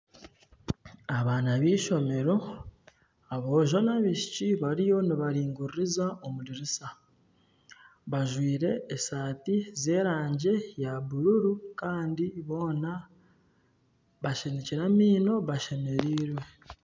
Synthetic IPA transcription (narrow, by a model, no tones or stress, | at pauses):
aβaːnaβiːʃo̞me̞ɾo̞ | aβo̞ːʒo̞naβiʃi̥ciβaɾijo̞niβaɾiːŋɡuɾiɾizaomuɾiɾisa | βaʒwiːɾe̞ːsaːtize̞ːɾaːɲɟe̞jaβuɾuɾukaːndiβo̞ːna | βaʃeneciɾamiːno̞βaʃe̞me̞ɾiːɾwe̞